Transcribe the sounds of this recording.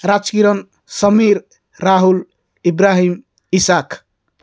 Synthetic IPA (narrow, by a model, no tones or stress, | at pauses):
ɾat͡ʃkiɾən | səmiɾː | aɦul | ibɾaɦim | isak